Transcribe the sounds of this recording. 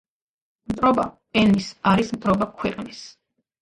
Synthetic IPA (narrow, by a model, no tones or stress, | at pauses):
mt̪ʼɾɔba | ɛnisaɾismt̪ʼɾɔbakʰwɛqʼnis